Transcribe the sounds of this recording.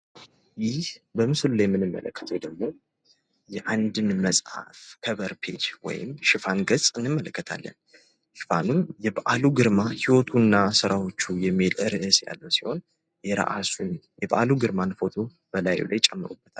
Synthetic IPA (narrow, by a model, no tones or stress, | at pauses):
jɪhbəmɨsɨlulajmːɨnɨmːə̰ləkːə̥t̪ʰəwd̪əɡmo̞ | jɛʔand̪ɨnməsʼha̰fkʰəβəɾpʰe̞d͡ʒwɔ̰jɪ̰mʃɪfanɡəsʼɨnːɨmːələkːət̪ʰa̰lːə̰n | ʃɪ̥fanunjɛbaʔaluɡɨɾmahiwɔt̪ʰunːasɨɾawo̞t͡ʃːujɛmːilʔɨɾɨʔɨsja̰lːəwsi̥ho̞n | jɛɾa̰ʔasun | jɛbʔaluɡɨɾmanfo̞t̪ʰo̞ | b̥əlajṵlʔa̰jt͡ʃʼɛmːɨɾubːət̪ʰal